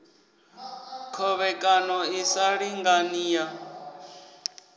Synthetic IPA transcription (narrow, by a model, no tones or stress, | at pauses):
kʰɔβɛkʼanɔisaɺiŋɡaniːja